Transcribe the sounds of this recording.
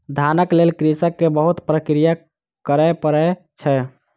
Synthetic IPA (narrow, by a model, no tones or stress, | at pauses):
d̪ʱanəklelkɾisəkːebəɦut̪pɾəkɾija | kəɾɛpəɾɛ | t͡ʃʰɛ